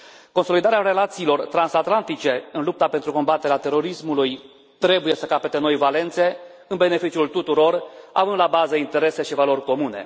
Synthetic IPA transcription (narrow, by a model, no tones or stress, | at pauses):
ko̞nso̞lid̪aɾeaɾe̞lat̪siːlo̞rt̪ɾansat̪lant̪it͡ʃe̞ɨnlup̚t̪apent̪ɾuko̞mbat̪eɾeat̪e̞ɾo̞ɾismuluj | t̪ɾe̞buje̞səkapet̪e̞no̞jvale̞nt̪se̞ | ɨnbe̞ne̞fit͡ʃiult̪ut̪uɾo̞ra̰vɨnd̪labazəint̪e̞ɾe̞se̞ʃivalo̞rʲko̞mune̞̰